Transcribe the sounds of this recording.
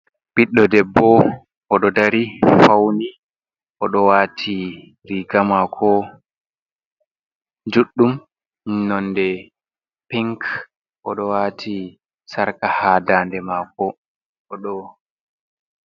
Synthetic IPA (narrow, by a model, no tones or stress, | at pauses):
b̥iɗːɔdɛbːɔ | ʔɔɗɔdaɾifawni | ʔɔɗɔwatʰi | ɾiɡamakʰɔ | d͡ʒuɗːum | nːɔndɛ | piŋk | ʔɔ̰ɗɔwaːtʰi | saɾkahaːdaːndɛmakɔ | ɔɗɔ